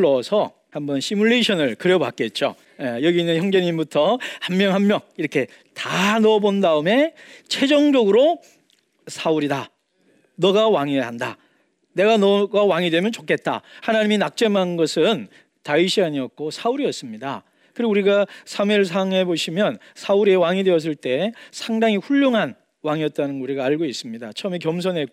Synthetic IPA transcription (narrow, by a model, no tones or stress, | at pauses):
ɭʌsʰʌ | hambʌnɕimuɭːeɕʰʌnɯɭkɯɾjʌba̰k͈et̚t͡ɕ͈o̰ | ejʌɡinːɯnçjʌŋd͡ʑeɲimbutʰʌhammjʌŋɦammjʌŋiɾʌkʰe̞ | tanʌbondaɯme̞t͡ɕʰe̞d͡ʑʌŋd͡ʑʌɡɯɾo | sʰauɾida | nʌɡawaŋiɦanda̰ | ne̞ɡanʌɡawaŋidwe̞mjʌnt͡ɕokʰe̞t̚t͈a̰hanaɲiminak̚t͡ɕ͈e̞manɯnɡʌsʰɯn | taiɕʰiaɲiʌk̚k͈osʰauɾiʌs͈ɯmɲida̰ | kɯɾiɡuɾiɡasʰamiɭs̬ʰaŋe̞boɕʰimjʌn | sʰauɾie̞waŋidwe̞ʌs̬͈ɯɭt͈e̞sʰaŋdaŋiɸuʎːoŋɦan | waŋiʌt̚t͈anɯnɡuɾiɡaːɭɡois͈ɯmɲidat͡ɕʰʌʌmikjʌmsʰʌnɦe̞